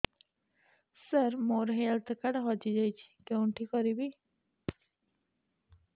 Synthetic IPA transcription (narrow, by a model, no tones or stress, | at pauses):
səɾmoɾɦelt̪ʰkaɽɦɔd͡ʒid͡ʒajt͡ʃʰi̥kewʈʰikɔɾibi